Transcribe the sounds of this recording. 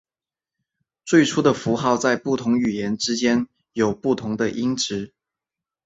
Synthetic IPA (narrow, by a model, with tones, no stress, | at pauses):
t͡swe˥˩ɪʈ͡ʂʰu˥d̪ə˨fu˧˥xɑ˥˧ʊt͡sa˥˧ɪpu˥˩t̪ʰʊ˧˥ŋy˨˩jɛ˨˧˥nʈ͡ʂɻ̩˥t͡ɕjɛ˥n | jo˨˩ʊpu˥˩t̪ʰʊ˧˥ŋd̪ə˧ʔi˥ŋʈ͡ʂɻ̩˧˥